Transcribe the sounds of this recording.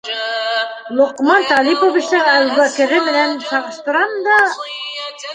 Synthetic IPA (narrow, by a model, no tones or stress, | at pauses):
lˠŏqmɑnt̪ɑlʲipovĭt͡ɕnɘælwækɘ̆ɾɘmɘ̆nænsɑʁɤ̆ʃt̪ɤ̆ɾɑmd̪ɑ